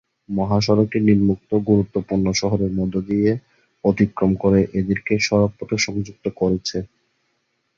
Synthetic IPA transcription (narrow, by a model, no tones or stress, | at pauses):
mɔɦaʃɔɾokiniɾmuk̚t̪oɡuɾut̪ːopuɾnoʃɔɦoɾeɾmɔd̪ʱːod̪ije | od̪ʱikɾomkoɾeʔed̪eɾkeʃɔɾopːot̪eʃɔŋd͡ʑuk̚t̪okoɾet͡ɕʰe